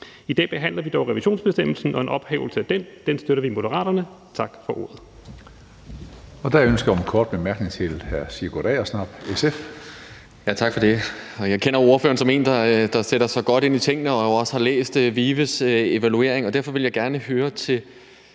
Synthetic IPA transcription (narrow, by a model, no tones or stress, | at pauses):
id̥ɛ̰ːb̥e̝ɦæn̰lɐʋid̥ɒʊʁɛʋiɕo̝̰ːnsb̥esd̥em̰l̩sn̩ɒ̽e̝nʔɒ̽b̥hɛ̰ːʊl̩səæd̥end̥ensd̥øɾɐʋimo̝ɾəʁɑ̰̈ːɾɐnə | t͡sʰɑ̈ɡ̥fɒ̽ʔo̝̰ːɐð̩ˠ | ɒ̽d̥æønsɡ̥ɐjnkʰɒːd̥̚b̥emæɐɡ̥ne̝ŋt͡sʰe̝lhæɐsiɡ̥ɔɾ̥ɛ̰ɒsnɑ̈b̥esef | jæt͡sʰɑ̈ɡ̥fɒ̽d̥e̝ɒjɑ̈ɪkʰenɐo̝ɐfø̰ːɐnsɒ̽me̝̰ːnd̥ɑd̥ɑ̈seɾ̥ɐsɑ̈ɪɡ̥ɒ̽ɾ̥e̝nit͡sʰe̝ŋ̰nəɒ̽oɒ̽sə̥hɑ̈lḛːsd̥ʋiːʋəse̝ʋælue̝̰ɐ̰e̝ŋɒ̽d̥æɐfɒ̽ʋe̝ljɑ̈ɪɡ̥æɐnəɦøːɐt͡sʰe̝l